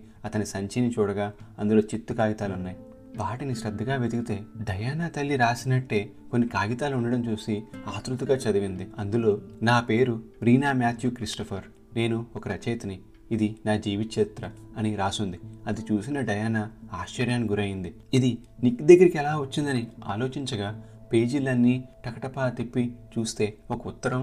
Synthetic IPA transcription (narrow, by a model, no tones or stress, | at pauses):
ɐt̪ɐnisɐɲt͡ʃinit͡ʃuːɽɐɡaːɐnd̪ulo̞ːt͡ʃit̪ːukaːɡit̪aːlunːaːji | ʋaːʈiniʃɾɐd̪ʱːɐɡaːʋe̞d̪uɡit̪e̞ːɖɐjaːnaːt̪ɐlːiɾaːsinɐʈːe̞ːko̞nːikaːɡit̪aːluuɳɖɐɽɐmt͡ʃuːsiaːt̪ɾut̪uɡaːt͡ʃɐd̪ɐʋind̪iɐnd̪ulo̞ːnaːpe̞ːɾuɾiːnaːmjaːt̪ʰjukɾisʈɐpʰɐɾ | ne̞ːnuɔkɐɾɐt͡ʃɐjt̪ɐniː | d̪inaːd͡ʒiːʋiʃet̪ɾɐɐniɾaːsund̪iɐd̪it͡ʃuːsinɐɖɐjaːnaːaːʃt͡ʃɐɾjaːnɡuɾɐːjind̪i | id̪i | nikːd̪ɐɡːɐɾikiɛlaːʋɐt͡ʃːind̪ɐnia̰ːlo̞ːt͡ʃiɲt͡ʃɐɡaː | pe̞ːd͡ʒilɐnːiʈɐkɐʈɐpaːt̪ipːit͡ʃuːst̪e̞ːɔkɐut̪ːɐɾɐm